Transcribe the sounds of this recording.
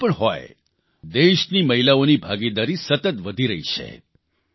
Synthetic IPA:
pəɳɦɔj | d̪eʃniməɦilaonibʱaɡid̪aɾisət̪ət̪ʋəd̪ʱiɾəɦḭʃʰḛ

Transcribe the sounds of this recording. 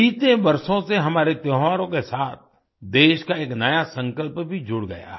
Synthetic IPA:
iːt̪ẽbɐɾʃõseɦɐmaːɾet̪jɔːɦʋaːɾõkesaːt̪̚ʰ | d̪eːʃkaeːknɐjasɐ̃ŋkəlpbʱid͡ʒʊɽɡɐ̰ja̰ː

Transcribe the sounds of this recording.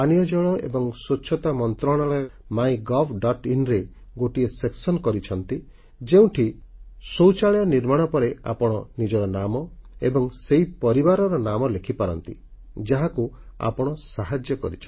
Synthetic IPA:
anijɔd͡ʒɔɭɔḛbɔŋsoːt͡ʃʰɔt̪amɔnt̪ɾɔɽ̃ɔɭɔjɔ | majɡɔbɖɔʈinɾe | ɡoʈieseksɔnkɔɾit͡ʃʰɔnt̪i | d͡ʒeũʈʰisowt͡ʃaɭjɔniɾmaɽ̃ɔpɔɾea̰pɔɽ̃ɔnid͡ʒɔɾɔnamɔebɔŋseipɔɾibaɾɔɾɔnamɔlekʰipaɾɔnt̪ḭ | d͡ʒaɦaku | a̰pɔɽ̃ɔsaɦad͡ʒjɔkɔ̰ɾḭt͡ʃʰɔ

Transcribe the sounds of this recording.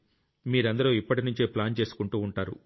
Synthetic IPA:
miːɾɐnd̪ɐɾoːipːɐʈinuɲt͡ʃeːplaːnt͡ʃe̞ːsu̥kuɳʈuːɳʈaːɾṵ

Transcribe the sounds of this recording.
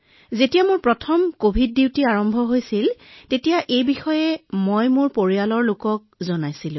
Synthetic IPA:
zetijamʊɹpɹɔtʰɔmkobʱid̚ːiwtiaɹɔmbʱɔɦojsiltetijaʔejbixɔjɛmojmʊɹpoɹialɔɹlokɔk̚zɔnajsilʊ̃

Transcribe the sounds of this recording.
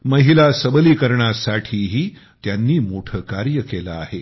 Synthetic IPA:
məɦilasəbəliːkəɾɳasaʈʰiːɦiː | t̪janːiːmoʈʰəkaɾjəkelaːɦe

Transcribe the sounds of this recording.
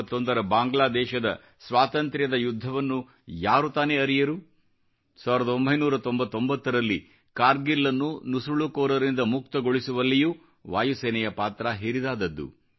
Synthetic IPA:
t̪ːond̪ɐɾɐbaːŋɡɭaːd̪ɛːʃɐd̪ɐ̰ | sʋaːt̪ɐnt̪ɾjɐd̪ɐjud̪ʱːɐʋɐnːu | jaːɾut̪aːneɐɾijɐɾu | saːʋiɾɐd̪ɐombʱɐjnuːɾɐt̪o̞mbɐt̪ːo̞mbɐt̪ːɐɾɐlːi | kaːɾɡilːɐnːunusuɭukɔːɾɐɾind̪ɐmuk̚t̪ɐɡoɭisuʋɐlːiju | ʋaːjusɛːnɛjɐpaːt̪ɾaɦiɾid̪aːd̪ɐd̪ːṵ

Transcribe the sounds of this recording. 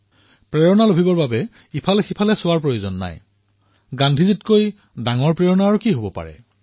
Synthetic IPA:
pɹeɹɔnalobʱibɔɹbabɛ | ipʰalɛxipʰalɛsʊwaɹpɹojozɔnːa̰j | ɡãndʱizitkoj | daŋɔɹpɹeɔnaːɹukiɦobɔpa̰ɹɛ̰

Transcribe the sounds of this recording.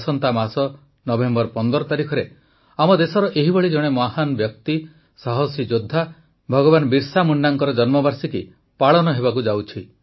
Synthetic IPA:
sɔnt̪amasɔ | nɔbembɔɾpɔnd̪ɔɾɔt̪aɾikʰɔɾe | amɔd̪esɔɾɔʔeɦibɔɭid͡ʒɔɽ̃emaɦanɔbjɔk̚t̪i | saɦɔsid͡ʒod̪ʱːa | bʱɔɡɔbanbiɾsamunːaŋkɔɾɔd͡ʒɔnmɔbʱaɾsiki | paɭɔnɔɦebak̬ud͡ʒawt͡ʃʰi

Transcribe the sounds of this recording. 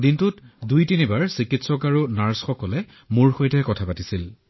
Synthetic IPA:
dintʊtdujtinibaɹsikitsɔkaɹunaɹsxɔkɔlɛ | muɹxojtɛkɔtʰapatisil

